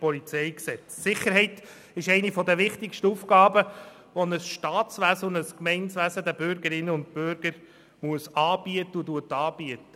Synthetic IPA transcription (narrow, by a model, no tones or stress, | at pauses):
pɔlit͡sɛɪksɛt͡ssɪχːəɾɦɛɪt | ɪʃɛɪnifɔd̪əʋɪχtɪkʃtəufɡɑːbə | ʋɔnəsʃtɑːt͡sʋæsənəskmɛɪnsʋæsəd̪æbʏɾɡəɾɪnːəʊnt̚pøɾɡəɾ | muəsɑːbiət̪əutuətɑːb̥iətə